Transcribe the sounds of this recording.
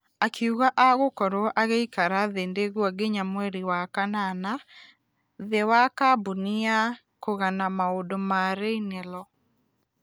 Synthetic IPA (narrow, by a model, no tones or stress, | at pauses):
akʰiuɣaʔaɣokɔɾoɔʔaɣeikaɾaðendeɣwaɡeɲamwɛɾiwakanana | ðewakabunia | koɣanamaodomaɾeinɛlɔ